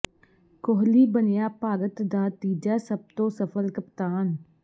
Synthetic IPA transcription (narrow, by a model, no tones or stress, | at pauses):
koɦliːbənɪjaːpaːɡət̪d̪aːt̪iːd͡ʒaːsəb̚t̪õːsəfʰəlkəpt̪aːn